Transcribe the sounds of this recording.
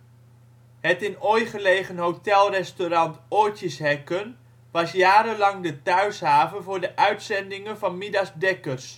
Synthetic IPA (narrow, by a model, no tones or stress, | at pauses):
ɦətɪnojχəlejχənɦowtɛlˠrɛstoɾɑntojtjəsɦɛkən | ʋɑsjaːɾəlɑŋdətœɥsɦaːvəvʊːɹdəʔœɥtsɛndɪŋənvɑnmɪdɑzdɛkərs